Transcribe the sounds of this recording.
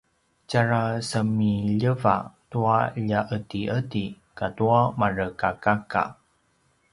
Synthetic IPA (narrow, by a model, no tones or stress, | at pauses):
caɾasəmiʎəva̰tuaʎaʔətiʔəti | katuamarəkakaka̰